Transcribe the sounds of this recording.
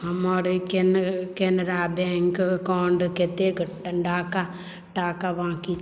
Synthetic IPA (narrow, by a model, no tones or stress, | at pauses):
ɦɐmaɽikenkenɾabeŋkkaːɳɖket̪eɡʈɐɳɖaːka | ʈaːkaʋãːki